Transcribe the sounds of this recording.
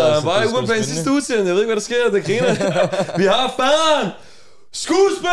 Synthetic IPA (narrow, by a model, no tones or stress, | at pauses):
b̥ɑ̈ːuːɐnpʰæensisd̥əuðˠsenjɑje̝ðeɡ̥ʋæɾɑ̈sɡ̥e̝ɐ̰d̥ekʰʁiːnɐʋiɦɑ̈b̥æːn | sɡ̥uːsb̥e